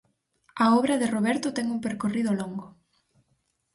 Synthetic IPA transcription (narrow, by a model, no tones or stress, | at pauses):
ɐɔβɾɐðɪroβɛɾt̪ʊt̪ɛŋuŋpeɾkoriðʊloŋɡʊ